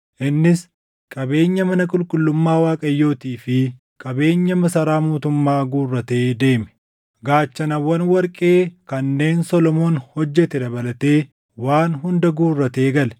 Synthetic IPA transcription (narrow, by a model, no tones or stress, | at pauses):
ʔɪnːɪs | kʼɐbe̞ːɲːɐmɐnɐkʼʊlkʼʊlːʊmːaːwaːkʼɐjːo̞ːt̪iːfɪ | kʼɐbe̞ːɲːɐmɐsɐɾaːmuːt̪ʊmːaːɡuːrːɐt̪e̞ːd̪e̞ːmɛ̥ | ɡaːt͡ʃːɐnɐwːɐnwɐɾkʼe̞ːkɐnːe̞ːnsɔlɔmo̞ːnhɔd͡ʒːɛt̪ɛd̪ɐbɐlɐt̪e̞ː | waːnɦʊnd̪ɐɡuːrːɐt̪e̞ːɡɐlɛ̥